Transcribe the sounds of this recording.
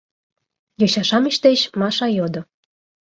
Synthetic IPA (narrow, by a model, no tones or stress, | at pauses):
jɤɕɑʃɑmiɕt̪et͡ɕmɑʃɑjod̪ŏ